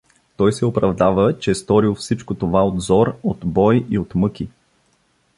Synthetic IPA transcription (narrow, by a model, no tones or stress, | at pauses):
t̪ɔjsɛopɾɐvd̪avət͡ʃɛst̪ɔɾilˠfsit͡ʃkot̪ovaod̪zɔɾot̪bɔjiot̪mɤkʲi